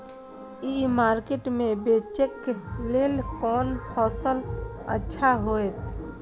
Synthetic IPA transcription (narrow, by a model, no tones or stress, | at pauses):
imaːɾkeʈmẽbeːt͡ʃekːleːlkɔːnpʰɔːsələ̰tːʃʰaɦoːet̪